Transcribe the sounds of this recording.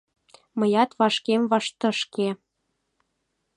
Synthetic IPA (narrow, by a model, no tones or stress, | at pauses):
mɤjɑt̪βɑʃkemβɑʃt̪ə̆ʃke